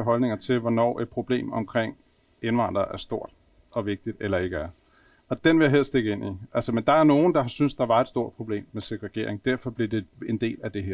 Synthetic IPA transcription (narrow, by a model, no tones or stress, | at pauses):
ɦɒ̽lne̝ŋɐt͡sʰe̝lʋɒnɒ̰ːʔe̝d̥̚pʰʁo̝b̥le̝̰ːmɒ̽mkʰʁeŋ̰ | enʋɑ̈n̰d̥ʁɐʔæɐsd̥o̝ɐ̰d̥ | ɒ̽ʋe̝ɡ̥̚d̥id̥elɐe̝ɡ̥əæɐ | ɒ̽d̥enʋe̝jaɦeðɐ̰sd̥e̝ɡ̥əe̝n̰iʔælsəmend̥ɑ̈æɐno̝ːn̩d̥ɑ̈synsd̥ɑ̈ʋɑ̈e̝d̥sd̥o̝ɐ̰d̥̚pʰʁo̝b̥le̝̰ːmːesøɡ̥ʁɛɡ̥e̝ɐ̰eŋ̩d̥æɐfɒ̽b̥liɐd̥e̝e̝nd̥e̝̰ːlæd̥e̝ɦeɐ̰